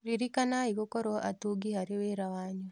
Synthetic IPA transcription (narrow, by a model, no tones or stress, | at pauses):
ɾiɾikanaiɣokɔɾɔʔa̰tuɡihaɾeweɾawaɲɔ